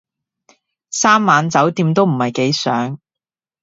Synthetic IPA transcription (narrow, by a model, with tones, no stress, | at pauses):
saː˥mːaː˨˧nt͡sɐ˨˥wt̪iː˧mt̪o˥wm̩˨˩hɐ˨jke˨˥jsœː˨˥ŋ